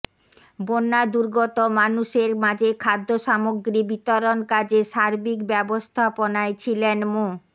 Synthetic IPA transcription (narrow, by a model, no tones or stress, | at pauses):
bonːad̪uɾɡɔt̪omanuʃeɾmad͡ʑekʰad̪ʱːoʃamoɡɾibit̪oɾonkad͡ʑeʃaɾbikbɛbost̪ʰaponaet͡ɕʰilenmo